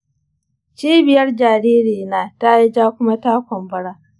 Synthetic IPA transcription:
t͡ʃiː˦bɪ˨jɐ˦rd͡ʒaː˨ɾiː˦ɾiː˨naː˨ta˦ji˦d͡ʒaː˦kʷʊ˦ma˦taː˦kʷɔ˨mbɐ˦ɽaː˦

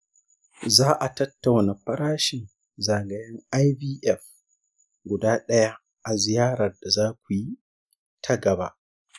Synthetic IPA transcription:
zaː˦ʔa˨tɐ˦tːa˨wna˨ɸɐ˦ɾaː˦ʃɪ˨n | zaː˨ɡɐ˨jɐ˦ŋa˦jbiː˦ʔɛ˨f | ɡʷʊ˨daː˦ɗɐ˦ja˦ | ʔa˨zɪ˨jaː˦ɾɐ˨rda˨zaː˦kʷu˨ji˦ | tʰɐ˦ɡɐ˨ba̰˦ʔ

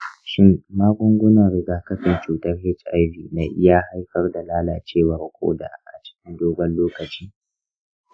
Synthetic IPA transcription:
ʃɪ˦mːaː˦ɡʷʊ˦ŋɡʷʊ˦na˨ɾɪ˨ɡaː˨kɐ˦ɸɪ˨nt͡ʃuː˨tɐ˦rhɪ˦t͡ʃʔa˦jɸiː˨naː˦ʔɪ˦ja˦ha˦jɸɐ˦rda˨laː˦laː˨t͡ʃeː˦˨wɐ˨rkʰʷo̰ː˦da̰˨ʔa̰˨t͡ʃɪ̥˦kʲɪ˦ndoː˦bɐ˦nloː˦kɐ˨t͡ʃiː˦

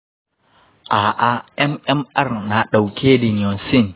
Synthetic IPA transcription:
ʔa˨ʔa˦ʔɛ˦mɛ˦ma˦ɾna˨ɗa˨wkʰʲe˦di˨n˨ɔ˨nsi˦˨n

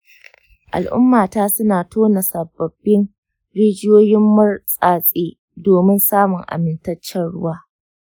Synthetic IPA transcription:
ʔa̰˨lʔʊ̰˦mːaː˨taː˦sʊ˦naː˨tʰoː˦na˨sɐ˨bːɐ˨bːɪ˦n | ɽeː˦d͡ʒɪ˦joː˦jɪ˦mːɐ˦rsʼaː˨sʼeː˦ | doː˨mɪ˦nsaː˦mʊ˨ŋʔa̰˨mɪ˨ntɐ˦t͡ʃːɛ˦nɽʊ˦waː˦

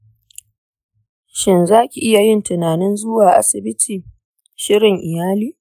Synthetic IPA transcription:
ʃɪ˦nzaː˦kʲi˨ʔɪ˦ja˨jɪ˦ntɪ˨naː˨nɪ˦nzʊ˦waː˨ʔa̰˦sɪ˨bɪ˦tʰiː˨ | ʃɪ˦ɽɪ˨ŋʔɪ˨jaː˦liː˦˨

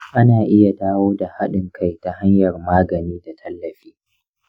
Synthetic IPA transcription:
ʔa˦naː˨ʔɪ˦ja˨daː˦woː˦da˨ha˦ɗɪ˨ŋkʰa˦jta˨ha˦ɲjɐ˨rmaː˦ɡɐ˨niː˦da˨tʰɐ˦lːɐ˨ɸiː˦

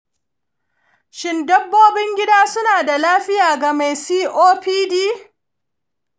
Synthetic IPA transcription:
ʃɪ˦ndɐ˦bːoː˦bɪ˦ŋɡʲɪ˦daː˦sʊ˦naː˨da˨laː˦ɸɪ˦jaː˨ɡa˨ma˨jsiː˦ʔoː˦ɸiː˦diː˦

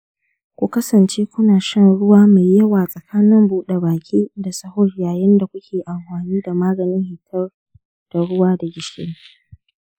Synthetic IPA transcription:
kʷʊ˦kɐ˦sɐ˨nt͡ʃeː˦kʷʊ˦naː˨ʃɐ˦nɽʊ˦waː˦ma˨jjɐ˦waː˨sʼɐ˨kʰaː˦nɪ˦mbuː˦ɗe˨baː˨kʲiː˦da˨sɐ˦hʊ˦rjaː˨jɪ˦nda˨kʷʊ˦kʲʰeː˨ʔa˨mɸaː˨niː˦da˨maː˦ɡɐ˨nɪ˦ŋhɪ˨tʰɐ˦r | d̥a˨ɽʊ˦waː˦da˨ɡʲɪ˨ʃḛ˦n˦

